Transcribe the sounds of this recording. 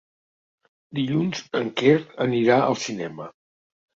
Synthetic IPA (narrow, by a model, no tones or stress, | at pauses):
d̪iʎunzəŋkerəniɾaə̰lˠsinɛmə